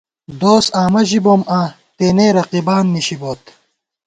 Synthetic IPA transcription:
d̪oːsaːmɐʑiboma | t̪eːneːɾɐqibaːnːiɕiboːt̪

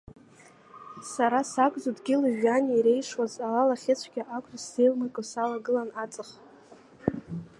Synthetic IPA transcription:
saɾasakʷʼzodɡʲɪlɨʒᶣaniɾe̞jʂwazalalaχʲet͡sʷʰɡʲaʔakʷʼasejlmakʼɨsalaɡɨlanat͡sʼɨχ

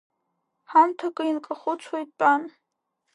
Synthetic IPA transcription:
hamtʰakʼɨinkʼaχʷʊt͡sʷʰwejt̚ʼpʼan

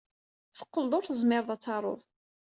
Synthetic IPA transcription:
θə̥qːəld̪ˤoɾθəzˤmɪɾˤðˤæt͡sːɑɾˤo̰ðˤ

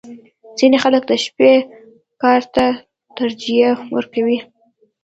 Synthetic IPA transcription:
z̥inexalək̚d̪əʃpe | kɑɾt̪a | t̪aɾd͡ʒijawə̰ɾkawi

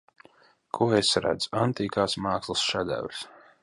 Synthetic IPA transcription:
kʰuɔesɾa̰d̪z̥ant̪iːkaːsmaːkslˠsʃad̪æ̰wɾs

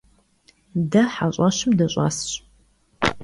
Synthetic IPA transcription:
dɐħaɕʼɐɕɪmdɐɕʼɑ̰sɕ

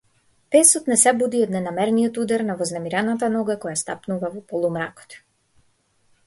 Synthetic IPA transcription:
pɛsɔt̪nɛsɛbud̪iɔd̪nɛnamɛɾnijɔt̪ud̪aɾnavɔznɛmiɾanat̪anɔɡakɔjast̪apnuvavɔpɔlˠumɾakɔ̥t̪

